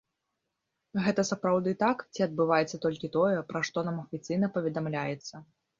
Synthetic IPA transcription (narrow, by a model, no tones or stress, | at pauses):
ɣɛt̪ɐsapɾawd̪ɨt̪akt͡sʲiɐd̪̚bɨvajɛt̪sːɐt̪ɔlʲkʲit̪ɔjɛpɾaʂt̪ɔnamɐfʲit̪sɨjnɐpɐvʲɛd̪amlʲajɛt̪sːɐ